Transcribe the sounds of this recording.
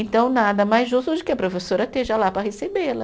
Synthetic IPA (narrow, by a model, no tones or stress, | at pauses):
ẽnt̪ɐ̃w̃nad̪ɐmajzʒust̪ʊd͡ʒɪkɪɐpɾofesoɾɐt̪eʒɐlapɾɐɦesebelɐ